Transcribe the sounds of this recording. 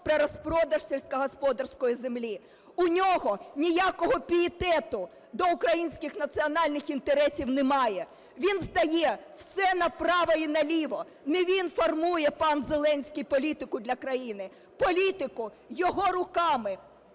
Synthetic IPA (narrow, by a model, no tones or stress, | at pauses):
pɾeɾɔspɾɔd̪ɐʃsʲelʲsʲkɐɦɔspɔd̪ɐrsʲkɔjizemlʲi | ʊnʲɔɦɔnʲijakɔɦɔpʲiɪt̪ɛt̪ʊ | d̪ɔʊkɾɐjinʲsʲkʲɪxnɐt̪sɨɔnɑlʲnɪxint̪eɾɛsʲiwnɪmɑjɛ | ʋʲinzd̪ɐjɛwsɛnɐpɾɑʋɐjinɐlʲiʋɔ | nɛʋʲinfɔrmujɛpɑnzelˠɛnʲsʲkʲijpɔlʲit̪ɪkʊd̪lʲɐkɾɐjinɪ | pɔlʲit̪ɪkʊ | jɔɦɔɾʊkɑmɪ